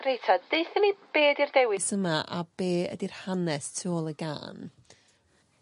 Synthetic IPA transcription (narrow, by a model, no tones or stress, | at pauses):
rejtʰadd̥ejθənib̥eːdirdɛwɪsəmaʔab̥eːə̰dir̥hanɛstʰoɔlˠəɡa̰ːn